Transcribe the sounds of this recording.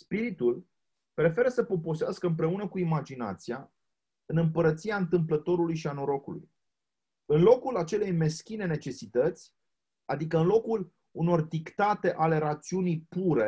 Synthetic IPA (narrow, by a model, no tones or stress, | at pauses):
spiɾit̪ul | pɾe̞fe̞ɾəsəpo̞po̞seaskəɨmpɾe̞unəkuimad͡ʒina̰t̪sia | ɨnɨmpəɾət̪siaɨnt̪ɨmplət̪o̞ɾulujʃianoɾo̞kulṵj | ɨnlo̞kulat͡ʃe̞le̞jme̞skʲine̞ne̞t͡ʃe̞sit̪ət̪sʲ | ad̪ikəɨnlo̞kul | uno̞rd̪ikt̪at̪e̞ʔale̞ɾat̪siunijpuɾe̞